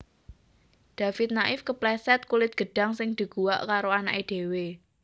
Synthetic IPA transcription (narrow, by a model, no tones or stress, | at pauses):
d̪̥a̤fɪt̪̚naʔɪfkəplɛsɛt̪̚kulɪt̪̚ɡ̥ə̤ɖ̥a̤ŋsɪŋd̪̥i̤ɡ̥uwaʔkaɾoana̰ʔed̪̥e̤we